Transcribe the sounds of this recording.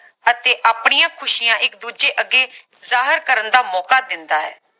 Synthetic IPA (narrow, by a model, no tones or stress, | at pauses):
ət̪eːʔaːpɽijãːkʰʊʃijãːʔɪkd̪uːd͡ʒeːʔəɡːeː | zaːɦəɾkəɾənd̪aːmɔːkaːd̪ɪnd̪aːɦɛ̰ː